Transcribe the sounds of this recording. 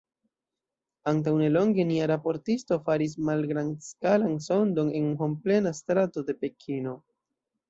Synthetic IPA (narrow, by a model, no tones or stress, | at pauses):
ant̬awne̞lo̞ŋɡe̞niaɾapo̞ɾtisto̞faɾis̬malɡɾanskalanso̞ndo̞ne̞nɦomple̞nastɾato̞de̞pe̞kʰino̞